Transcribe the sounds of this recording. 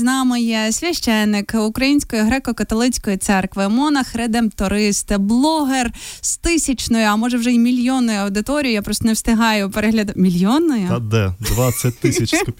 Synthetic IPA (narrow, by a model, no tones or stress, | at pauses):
znɑmɪjɛsʲʋʲɐʃt͡ʃɛnːɪkukɾɐjinʲsʲkɔjʊɦɾɛkɔkɐt̪ɔlˠɪt͡sʲkɔjit̪sɛrkʋɪmɔnɐxɾɛd̪ɛmt̪ɔɾɪst̪ɪblˠɔɦerst̪ɪsʲɐt͡ʃnɔjʊɐmɔʒɐwʒɛimʲilʲjɔnːɔjʊɐwd̪ɪt̪ɔɾʲijʊjapɾɔst̪ɔnewst̪ɪɦɑjʊpeɾɛɦlʲɐd̪ʊmʲilʲjɔnːɔjʊɐd̪ɛd̪ʋat͡sʲːɐt̚ʲt̪ːɪsʲɐt͡ʃ